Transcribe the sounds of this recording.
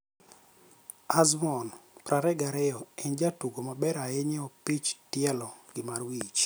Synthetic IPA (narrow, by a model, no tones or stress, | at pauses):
azmɔnpɾaɾɛɡaɾɛjɔɛnd͡ʒatuɡomabɛɾaeɲeɔpit͡ʃtɪɛlɔɡɪmarwit͡ʃ